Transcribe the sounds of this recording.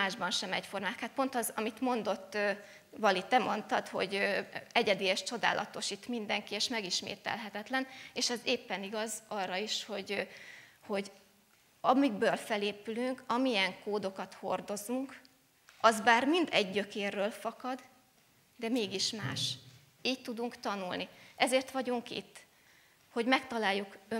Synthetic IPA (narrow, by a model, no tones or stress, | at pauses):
aːʒbɒnʃɛmɛcfo̞rmaːkaːt̪̚po̞nt̪ɒzɒmit̪mo̞nd̪o̞t̪ːøː | vɒlit̪ɛmo̞nt̪ɒt̪ho̞̰ɟɛɟɛd̪eːjɛʃt͡ʃo̞d̪a̰ːlʔɒ̰t̪o̞ʃit̪mind̪ɛŋkieːʃmɛɡiʃmḛːt̪ɛ̰lɦɛt̪ɛt̪lɛneːʃɛzeːpːɛniɡɒzɒrːɒiʃho̞ɟ | ho̞ɟ | ɒmiɡ̚bøːlfɛleːpylyŋkɒmijɛŋkoːd̪o̞kɒt̪ho̞̰rd̪o̞zuŋk | ʔɒzbaːrmind̪ɛ̰ɟːøkeːrːøːlfɒkɒd̪ | d̪ɛmeːɡiʃmaːʃ | iːc̚t̪ːud̪uŋkt̪ɒnulniʔɛzeːrt̪ʋɒɟuŋkḭt̪ː | ho̞ɟmɛkt̪ɒlaːjːukø